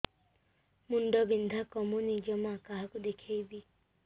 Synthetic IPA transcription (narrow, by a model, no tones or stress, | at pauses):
munɖɔbind̪ʱakɔmunid͡ʒɔmakaɦakud̪ekʰejbi